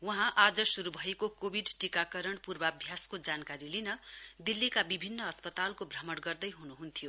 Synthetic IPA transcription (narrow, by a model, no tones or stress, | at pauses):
wʌɦãʔad͡zʌsuɾubʱʌekokobʱiɖʈikakʌɾʌɳpurbʌʌbʱjaskod͡zankaɾilinʌd̪ilːikabibʱinːʌʌspʌt̪alkobrʌmʌɽɡʌrd̪ʌjɦunuɦunt̪ʰijo